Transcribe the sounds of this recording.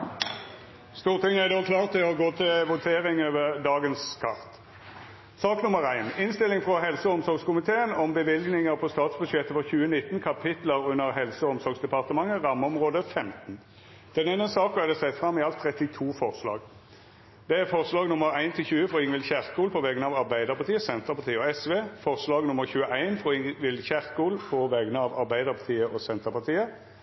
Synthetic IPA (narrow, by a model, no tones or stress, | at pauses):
st̪uːʁt̪ʰɪŋːæd̪oːkʰlɑːʁt̪ʰɪɔɡoːt̪ʰɪlʋʊt̪ʰeːʁɪŋøːʋəʁd̪ɑːɡənskʰɑʁt̪ | sɑːknʊməʁæɪnɪnst̪ɪlɪŋfʁɔɦɛlsəɔmsɔɾɡskʊmɪt̪ʰeːənɔmbəʋɪlɡnɪŋəʁpʰɔst̪ɑːt̪sbʉd̪ʃɛt̪ːəfɔʁçʉːənɪt̪ːnkʰɑpʰɪt̪ləʁʉnːəʁɦɛlsəɔɔmsɔʁɡsd̪ɛpɑʁt̪əmɑŋːəʁɑmːəɔmʁoːd̪əfɛmt̪n̩ | d̪̥ɛnɛnəsɑːkɔɛd̪ɛsɛt̪ːfʁɑmːɪɑlt̪ʰːʁɛt̪ɪt̪ʰuːfɔʁslɑ̰ːɡ | d̪̥ɛæʁfɔʁslɑːɡnʊməʁæɪnt̪ʰɪlçʉːəfʁɔɪŋʋɪlçæʁkuːlpʰɔʋɛɡənɑʋɑʁbæɪd̪əʁpɑʁt̪ʰiːəsɛnt̪əʁpɑʁt̪iːəɔɛsʋeːfɔʁslɑːɡnʊmːəʁçʉːəʔæɪnfʁɔɪŋʋɪlçæʁkuːlpʰɔʋɛɡənəɑʋɑʁbæɪd̪əʁpʰɑt̪ʰiːəʔɔsɛnt̪əʁpɑʁt̪ʰiːə